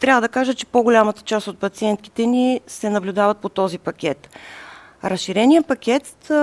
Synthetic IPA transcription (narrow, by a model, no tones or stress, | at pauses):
t̪ɾʲavəd̪ɐkaʒət͡ʃɛ̥poɡolʲamət̪ə̥t͡ʃast̪ot̪̚pɐt̪siɛnt̪̚ki̥t̪ɛnisɛnɐblʲud̪avət̪̚pot̪ɔzipɐkʲɛt̪ | ɾɐsʃiɾɛnijəpɐkʲɛt̪